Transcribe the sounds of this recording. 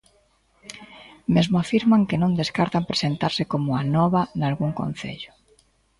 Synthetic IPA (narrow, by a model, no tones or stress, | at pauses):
mezmoafiɾmaŋkenõnd̪eskaɾt̪ampɾesent̪aɾsɪkomʊanɔβanalɣuŋkõ̰n̟θḛʎʊ̥